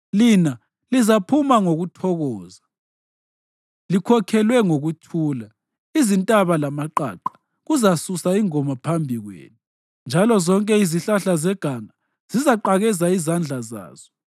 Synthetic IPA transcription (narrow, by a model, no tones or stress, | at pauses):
lina | lizapʰumaŋoɣutʰɔɣɔːza | likʰɔkʰɛlwɛŋoɣutʰuːla | izintʼaβalamaǃa̰ːǃḁ | ɣuzasusaiŋɔmapʰambʱiɣwḛːnu | nd͡ʒʱalɔzɔŋkʼɛiziɬaɬazɛɡ̥ʱaŋa | z̥izaǃaɣɛzaizand͡ɮʱaza̰ːz̥ɔ